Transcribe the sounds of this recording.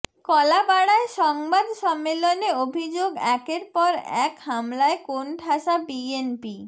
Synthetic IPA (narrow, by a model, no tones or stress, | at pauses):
kɔlabaɽaeʃɔŋbad̪ʃɔmːeloneobʱid͡ʑoɡɛkeɾpɔɾɛ̰khamlaekonʈʰaʃabienpi